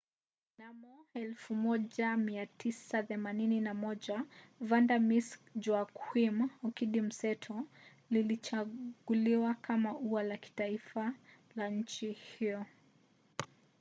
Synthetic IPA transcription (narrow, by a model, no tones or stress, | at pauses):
namɔɛlfumɔʄamiatʰisaθɛmanininamɔʄavandamisd͡ʒwakwimɔkiɗim̩sɛtʰɔ | lilit͡ʃaɡuliwakʰamauwalaki̥taifa | laɲ̩t͡ʃihiɔ